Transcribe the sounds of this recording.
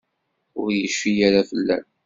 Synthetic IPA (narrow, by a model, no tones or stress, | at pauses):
ʊɾjəʃːijaɾafəlːæ̰n